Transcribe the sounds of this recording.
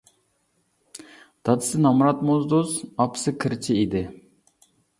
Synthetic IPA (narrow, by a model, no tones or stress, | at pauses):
d̪̥ɑd̪ɨsɨnɑmɾɑt̪mozd̪osɑpsɨkʰɪɾt͡ʃʰiid̪ɪ